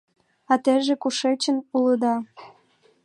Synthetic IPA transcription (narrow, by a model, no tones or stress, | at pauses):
ɑt̪eʒekuʃet͡ɕənuləd̪ɑ